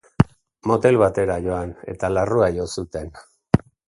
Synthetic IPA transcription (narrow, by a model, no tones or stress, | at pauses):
mo̞t̪e̞lβat̪e̞ɾajo̞ane̞̰t̪alaruajo̞sut̪e̞n